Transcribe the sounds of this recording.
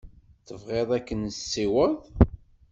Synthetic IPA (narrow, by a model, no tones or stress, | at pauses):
θəvʁeðˤækːənəsːiwəðˤ